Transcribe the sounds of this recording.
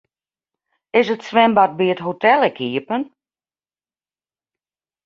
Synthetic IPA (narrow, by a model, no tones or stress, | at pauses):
ɪsətsʋɛmbat̚biətɦotɛlˠɛkʰiəpən